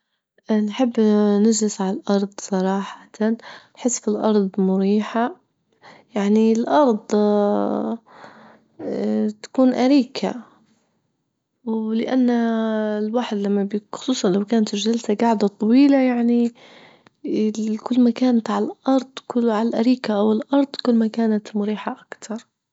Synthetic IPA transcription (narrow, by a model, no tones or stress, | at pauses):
ʔnħɪbːnɪd͡ʒlɪsʕalalʔɑɾˤd̪ˤsˤɑɾˤɑːħḁt̪annħɪsːfilʔɑ̰ɾˤd̪ˤmʊɾiːħa | jaʕnilʔɑɾˤd̪ˤ | t̪ḁkuːnʔaɾiːkʰa̰ | wlɪʔa̰nːalwaħd̪lamːabxʊ̥sˤuːsˤɑnlawkaːnt̪ʒalsaɡaʕd̪at̪ˤɑwiːlajaʕni | kʊlːmakaːnat̪ʕalaʔɑɾˤd̪ˤkʊʕalalʔaɾiːkaʔawɪlʔɑɾˤd̪ˤkʊlːmakaːnat̪mʊɾiːħaʔakt̪ʰɑɾˤ